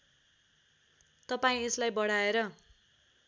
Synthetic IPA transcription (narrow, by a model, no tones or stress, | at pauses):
t̪ʌpaĩeslajbʌɽ̤aeɾʌ